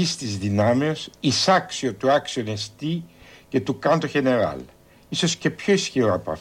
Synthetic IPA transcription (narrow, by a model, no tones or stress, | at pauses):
ist̪izðinɐmeosisɐksiot̪uɐksione̞st̪ice̞t̪ukɐnt̪oçe̞ne̞ɾɐ̰l | iso̞sce̞pço̞isçiɾoɐpɐ̰f